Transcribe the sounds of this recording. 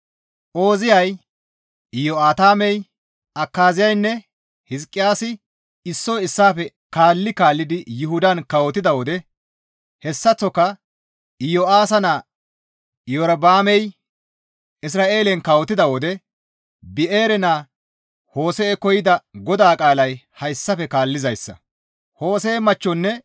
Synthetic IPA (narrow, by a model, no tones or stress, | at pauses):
o̞ːzɪjɐj | ɪjɔaːt̪aːmɛj | ɐkːaːzɪjɐjnːɛ | hɪzkʼːɪjaːsɪ | ɪsːɔːɪsːaːfɛ | kaːlːɪkaːlːɪd̪ɪjʊɦʊd̪ɐnkɐwɔt̪ːɪd̪ɐwɔd̪ɛ | hɛsːɐt͡sːɔkːɐ | ɪjɔaːsɐnaː | jɔɾɐbaːmɛj | ʔɪs̬ɾaːʔe̞ːlɛnkɐwɔt̪ːɪd̪ɐwɔd̪ɛ | bɪʔeːɾɛnaː | ho̞ːsɛːkɔjɪd̪ɐɡɔd̪aːkʼaːlɐjhɐɪsːɐfɛkaːlːɪzɐjsːɐ̰ | ho̞ːseːmɐt͡ʃːɔnːɛ